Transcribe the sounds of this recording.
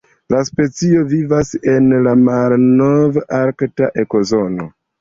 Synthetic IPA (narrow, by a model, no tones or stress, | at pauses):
laspe̞t͡sio̞vivase̞nlamalnovaɾktaʔe̞ko̞zo̞no̞